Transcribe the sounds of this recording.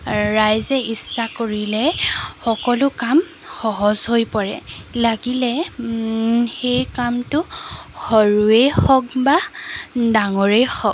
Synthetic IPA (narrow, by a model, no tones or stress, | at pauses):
ɹajzɛʔisːakoɹilɛxɔkɔlʊkam | xɔɦɔzɦojpɔɹɛlaɡilɛ | xejkamtʊhɔɹuexɔk̚ba | daŋɔɹejxɔɡ̚